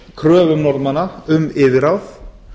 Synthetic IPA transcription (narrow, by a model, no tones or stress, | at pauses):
kʰɾœːvʏmnɔɾt̪manːaʏmɪːvɪɾawθ